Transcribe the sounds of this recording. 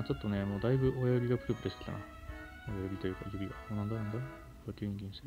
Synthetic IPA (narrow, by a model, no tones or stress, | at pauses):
t͡ɕo̞t̪ːo̞ne̞moːd̪aibɯ̟ʔojoɾʲiɡapɯ̟ɾɯpɯ̟d̪eska̰na | ojojoɾʲit̪o̞jɯ̟ːka̰jɯɾʲiaoːnãnd̪onãnd̪o | at̪ʲːeɯɲɡʲĩñst̪eɾ